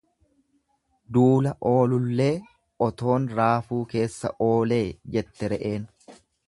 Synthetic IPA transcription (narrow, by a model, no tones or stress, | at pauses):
d̪uːlɐʔo̞ːlʊlːe̞ː | ʔɔt̪o̞ːnɾaːfuːke̞ːsːɐ̰ʔo̞ːle̞ːd͡ʒɛt̪ːɛɾɛʔe̞ːn